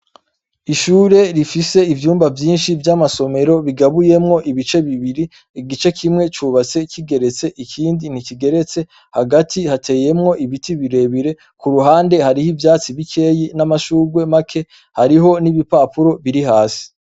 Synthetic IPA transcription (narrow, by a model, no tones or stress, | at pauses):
iʃuːɾe̞ɾifise̞ivjuːmbavjiːnʃivjamaso̞me̞ɾo̞βiɡaβuje̞mŋo̞ʔiβit͡ʃe̞βiβiɾi | ɡit͡ʃe̞kimŋe̞t͡ʃuːβat͡se̞kiɡe̞ɾe̞t͡se̞ʔikʰiːndin̥iciɡe̞ɾe̞t͡se̞ | haɡatʰihatʰe̞ːje̞mŋo̞ʔiβitiβiɾe̞βiɾe̞ | kuɾuɦaːnde̞haɾihivjaːt͡siβikʰe̞ːjinamaʃuːɾɡwe̞makʰe̞ | haɾiɦo̞niβipaːpuɾo̞βiɾiɦaːsi̥